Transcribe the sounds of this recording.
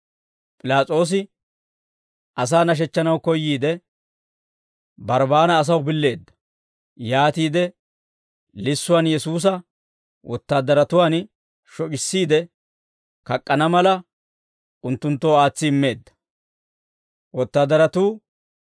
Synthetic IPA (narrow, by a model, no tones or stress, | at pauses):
pʼɪlaːt͡sʼo̞ːs̬ɪ | ʔɐs̬aːnɐʃ̬ɛt͡ʃːɐnɐwkɔjːiːd̪ɛ | bɐɾbaːnɐːs̬ɐwbɪlːe̞ːd̪ːɐ̥ | jaːt̪iːd̪ɛ | lɪsːʊwaːnjɛsuːs̬ɐ | wʔɔt̪ːaːd̪ːɐɾɐt̪ʊwaːn | ʃɔkɪsːiːd̪ɛ | kɐkʼːɐnɐmɐlɐ | ʊnt̪ːʊnt̪ːoːaːt͡sːɪɪmːe̞ːd̪ːɐ̥ | wɔt̪ːaːd̪ːɐɾɐt̪uː